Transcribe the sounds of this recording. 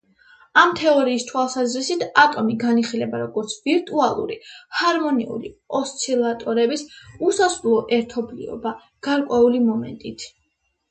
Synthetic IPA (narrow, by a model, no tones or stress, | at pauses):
amt̪ʰɛɔɾiːst̪ʰwalˠsazɾisit̪ʰat̪ʼɔmiɡaniχilɛbaɾɔɡɔɾt̪sʰviɾt̪ʼualˠṵɾihaɾmɔnḭṵlḭɔst̪sʰilˠat̪ʼɔɾɛbisusasɾlˠɔʔɛɾt̪ʰɔblḭɔ̰ba | ɡ̥aɾkʼwɛulimɔmɛ̰nt̪ʼit̪ʰ